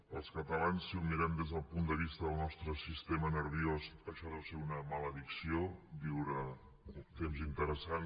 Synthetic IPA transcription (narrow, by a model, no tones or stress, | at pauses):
əlˠskət̪əlansːiumiɾɛmd̪ezðəlˠpund̪əβ̞ist̪əðəlˠnɔst̪ɾəsist̪emənəɾβiozəʃaðəseunəmaləðiksiobiwɾə | ut̪emzint̪əɾəsan